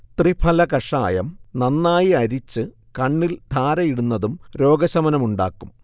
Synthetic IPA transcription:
t̪ripʰɐlɐkɐʂa̰ːjɐ̰mnɐnːaːjiɐɾit͡ɕːɨ | kɐɳːild̪ʱaːɾɐjiɽunːɐðumɾo̞ːɡɐsɐmɐnɐmuɳɖa̰ːkːum

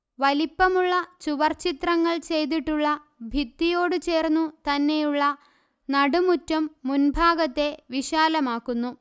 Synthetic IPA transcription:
ʋɐlipːɐmuɭːɐt͡ɕuʋɐrt͡ɕit̪rɐŋːɐɭt͡ɕe̞jt̪̬iʈːuɭːɐ | bʱit̪ːijo̞ːɽɨt͡ɕe̞ːrnːut̪ɐnːe̞juɭːɐ | nɐɽumutːɐmːunbʱaːɡɐt̪ːe̞ʋiɕaːlɐmaːkːunːu

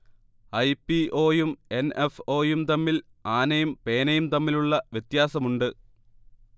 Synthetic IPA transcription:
ɐjpːiʔo̞ːjume̞nefo̞ːjumt̪ɐmːil | aːnɐjumpe̞ːnɐjumt̪ɐmːiluɭːɐʋjet̪jaːsɐmuɳɖɨ

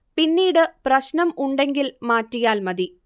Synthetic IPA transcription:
pinːiːɽɨprɐɕnɐmuɳɖe̞ŋɡilmaːtːijaːlmɐði

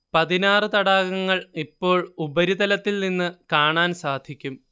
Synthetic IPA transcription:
pɐðinaːrɨt̪ɐɽaːɣɐŋːɐɭipːo̞ːɭubɐɾiðɐlɐt̪ːilninːɨkaːɳaːnsaːd̪ʱikʲːum

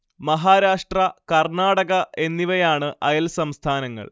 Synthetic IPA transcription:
mɐɦaːɾaːʂʈrɐkɐrnaːɽɐɣɐʔe̞nːiʋɐjaːɳɨʔɐjɐlsɐmst̪ʰaːnɐŋːɐ̰ɭ

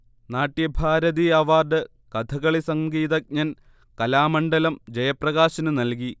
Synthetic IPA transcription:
naːʈːjɐbʱaːɾɐðiɐʋaːrd̪ɨ | kɐt̪ʰɐɣɐɭisɐŋɡiːðɐk̚ɲɐn | kɐlaːmɐɳɖɐlɐmd͡ʑɐjɐprɐɣaːɕɐnɨnɐlk̬i

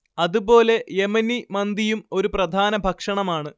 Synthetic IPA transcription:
ɐðubo̞ːle̞jemɐnːimɐnd̪ijumo̞ɾuprɐd̪ʱaːnɐbʱɐkʂɐɳɐmaːɳɨ

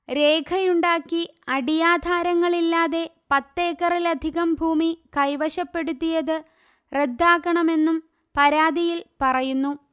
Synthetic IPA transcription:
ɾe̞ːkʰɐjuɳɖaːkːiɐɽijaːd̪ʱaːɾɐŋːɐɭilːaːðe̞pɐt̪ːe̞ːkːɐrilɐd̪ʱiɣɐmbʱuːmikɐjʋɐɕɐpːe̞ɽut̪ːijɐðɨ | red̪ʱːaːkːɐɳɐme̞nːum | pɐɾaːd̪ijilpɐrɐjunːu

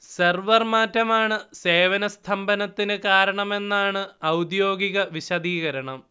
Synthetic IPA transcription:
serʋɐrmaːtːɐmaːɳɨse̞ːʋɐnɐst̪ʰɐmbɐnɐt̪ːinɨkaːɾɐɳɐme̞nːaːɳɨɐwd̪jo̞ːɡiɣɐʋiɕɐd̪iːɣɐɾɐɳɐm

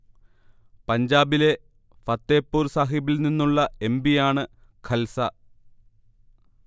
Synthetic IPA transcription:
pɐɲd͡ʑaːbile̞ | fɐt̪ːe̞ːpːuːrsaːɦibilninːuɭːɐe̞mbijaːɳɨkʰɐlsɐ

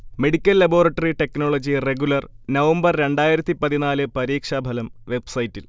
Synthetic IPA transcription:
meɽikʲːɐlːɐbo̞ːrɐʈːɐriʈe̞kno̞ːɭod͡ʑireɡulɐr | nɐʋɐmbɐrɾe̞ɳɖaːjiɾɐt̪ːipɐðinaːlɨpɐɾiːkʂɐːbʱɐlɐmʋe̞bsɐjtːil

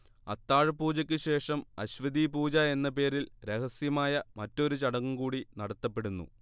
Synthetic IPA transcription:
ɐt̪ːaːɻpuːd͡ʑɐkʲːɨɕe̞ːʂɐmɐ̰ɕʋɐd̪iːpuːd͡ʑɐe̞nːɐpe̞ːɾilɾe̞hɐsjɐmaːjɐmɐtːo̞ɾut͡ɕɐɽɐŋːumkuːɽinɐɽɐt̪ːɐpːe̞ɽunːṵ

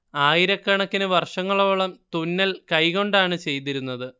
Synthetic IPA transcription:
aːjiɾɐkːɐɳɐkːinɨʋɐrʂɐŋːɐɭo̞ːɭɐmt̪unːɐlkɐjko̞ɳɖaːɳɨt͡ɕe̞jt̪̬iɾunːɐðɨ

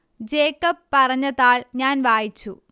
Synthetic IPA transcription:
d͡ʑeːkːɐpːɐrɐɲːɐðaːɭɲaːnʋaːjit͡ɕːṵ

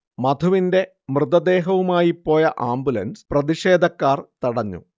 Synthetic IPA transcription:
mɐt̪ʰuʋinde̞ | mrɨðɐd̪e̞ːɦɐʋumaːjipːo̞ːjɐʔaːmbulɐnsprɐðiʂe̞ːd̪ʱɐkːaːrt̪iɽɐɲːṵ

